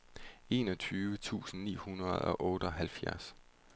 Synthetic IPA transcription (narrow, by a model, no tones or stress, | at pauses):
e̝ːnɒ̽t͡sʰyːʋət͡sʰṵːsn̩nḭːhunɐð̩ˠɒ̽ʔɔ̽ːɾ̥əɒ̽ɦælfjæɐs